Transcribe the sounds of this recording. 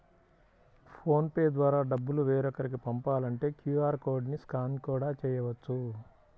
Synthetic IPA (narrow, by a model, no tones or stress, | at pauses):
pʰo̞ːnpeːd̪ʋaːɾaːɖɐbːuluʋeːɾɔkːɐɾikipɐmpaːlɐɳʈe̞ːkjuːaːɾko̞ːɾɖniskaːnikuːɽaːt͡ʃɛːjɐʋɐt͡ʃːu